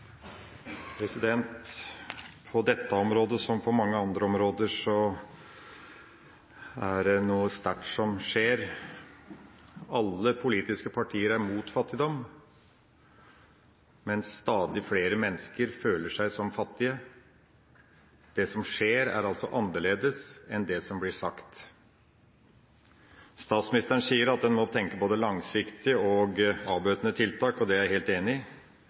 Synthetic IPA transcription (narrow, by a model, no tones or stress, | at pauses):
pʰɾɛsɪd̪ɛnt̪ | pʰɔd̪ɛt̪ːəɔmɾoːd̪əsɔmpʰɔmɑŋːəɑnd̪ɾəɔmɾoːd̪əʂɔ | æɖɛnuːəst̪æʈsɔmʂeːɾ | ɑlːəpʰʊliːt̪ɪskəpʰɑʈʰiːəɾæɾmuːt̪fɑt̪ːɪd̪ɔmː | mɛnst̪ɑːd̪ɪfleːɾəmɛnːəskəɾføːləʂæɪsɔmfɑt̪ːɪə | d̪̥ɛsɔmʂeːɾæ̰ɾɑlsɔʔɑnːəɭeːd̪əsɛnd̪ɛsɔmblɪʂɑkt̪ | st̪ɑːt̪smɪnɪst̪əɾən̩siːəɾɑt̪̚d̪ɛnmɔt̪ʰɛŋkəboːd̪əlɑŋsɪkt̪ɪɔɡɑːbøːt̪ənət̪ʰɪlt̪ʰɑːkɔd̪ɛæɾheːlt̪eːnɪ